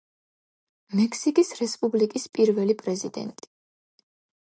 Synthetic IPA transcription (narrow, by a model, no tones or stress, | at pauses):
mɛkʰsikʼisɾɛspʼublikʼispʼiɾvɛlipʼɾɛzid̪ɛ̰nt̪ʼi̥